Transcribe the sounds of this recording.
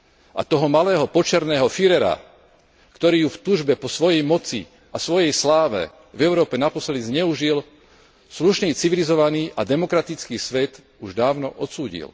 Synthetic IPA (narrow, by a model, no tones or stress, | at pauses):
ʔa̰t̪ɔɦɔmalɛːɦɔpɔt͡ʃɛɾnɛːɦɔfiɾɛɾa̰ | kt̪ɔɾiːjuft̪uːʒbɛpɔsʋɔjɛjmɔt͡sḭ | asʋɔjɛjslaːʋɛ̰ | vɛʊɾɔːpɛnapɔslɛd̪izɲɛuʒil | sluʃniːt͡siʋilizɔʋaniːʔad̪ɛmɔkɾat̪it͡skiːsʋɛt̪ | uʒd̪aːʊnɔʔɔt̪suːɟḭl